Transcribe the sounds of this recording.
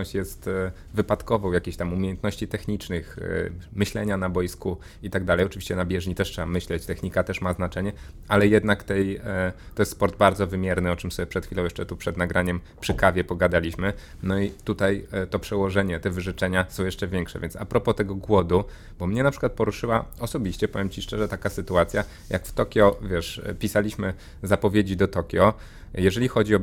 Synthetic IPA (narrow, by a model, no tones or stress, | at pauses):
ɔ̃ɕt͡ɕjɛst̪ | vɘpat̪kɔvɔ̃wjakʲeɕt̪amumʲjejɛnt̪nɔɕt͡ɕit̪ɛxɲit͡ʂnɘxmɘɕlɛɲanabɔjisku | it̪aɡd̪alɛjɔt͡ʂɘvʲiɕt͡ɕɛnabʲjɛʐɲit̪ɛʂtʂɛamɘɕlɛt͡ɕt̪ɛxɲikat̪ɛʂmaznat͡ʂɛɲɛʔalɛjɛd̪nakt̪ɛjt̪ɔjɛst̪spɔɾd̪̚baɾd̪zɔvɘmʲjɛɾnɘɔt͡ʂɘmsɔbʲjɛpʂɛt̪xfʲilɔ̃w̃jɛ̥ʂt͡ʂɛt̪upʂɛd̪naɡɾʔaɲɛm | pʂɘkavʲjɛpɔɡad̪alʲiɕmɘ | nɔit̪ut̪ajt̪ɔpʂɛwɔʐɛɲɛt̪ɛvɘʐɛt͡ʂɛɲasɔ̃w̃jɛʂt͡ʂɛvʲjɛŋkʂɛ̰vʲjɛnt̪sa̰pɾɔpɔt̪ɛɡɔɡwɔd̪u | b̥ɔmɲɛnapʂɘ̥kwat̪̚pɔɾuʂɘwaɔsɔbʲiɕt͡ɕɛpɔvʲjɛmt͡ɕiʂt͡ʂɛʐɛt̪akasɘt̪uat̪sʲja | ja̰kft̪ɔkʲjɔvʲjɛʂpʲisalʲiɕmɘ | zapɔvʲjed͡ʑid̪ɔt̪ɔkʲjɔ | jɛʐɛlʲixɔd͡ʑiɔ